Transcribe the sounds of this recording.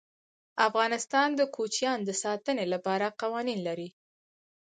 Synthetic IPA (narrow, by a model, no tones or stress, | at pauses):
afɣɑnɪst̪ɑnd̪əkʰot͡ʃjɑnd̪əsɑt̪ənelapɑɾaqawɑninlaɾi